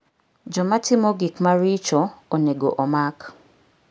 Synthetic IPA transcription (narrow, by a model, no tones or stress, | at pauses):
d͡ʒɔmatʰɪmoɡikmaɾit͡ʃooneɡo̰ʔɔmak